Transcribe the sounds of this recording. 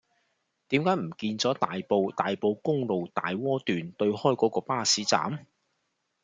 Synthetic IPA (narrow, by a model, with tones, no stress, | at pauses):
t̪iː˨˥mkaː˨˥jm̩˨˩kiː˧nt͡sɔː˨˥t̪aː˨jpo˨˧wt̪aː˨jpo˧wkʊ˥ŋlo˨wt̪a̰ː˨jwɔː˥t̪yː˨nt̪ɵ˧ɥhɔː˥˩jkɔː˨˥kɔː˧paː˥˩siː˨˥t͡sa̰ː˨˥m